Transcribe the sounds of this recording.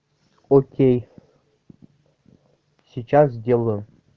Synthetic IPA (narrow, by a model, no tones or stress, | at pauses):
okʲej | sʲit͡ɕas̬d̪ʲelˠə